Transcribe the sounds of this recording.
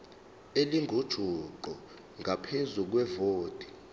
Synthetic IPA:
eliŋɡʱod̥ʒ̥ʱuǃɔ | ŋʱapʰezuk̬wɛvoːd̥ʱi̥

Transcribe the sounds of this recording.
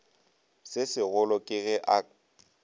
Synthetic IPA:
sɪsɪɣʊlɔkʼɪɣɛʔa

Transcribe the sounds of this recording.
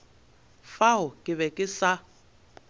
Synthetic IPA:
faʊkʼɪβɛkʼɪsa

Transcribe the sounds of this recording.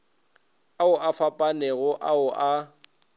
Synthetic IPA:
aʊʔafapʼanɛɣʊʔaʊʔa

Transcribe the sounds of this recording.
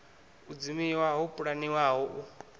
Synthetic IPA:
ud͡zimiwaɦupʼuɺaniwaɦɔʔu

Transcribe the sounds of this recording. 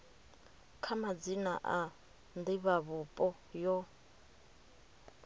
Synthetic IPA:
kʰamad͡zina̰ʔa | nd̪iβaβupʼɔ | jɔ

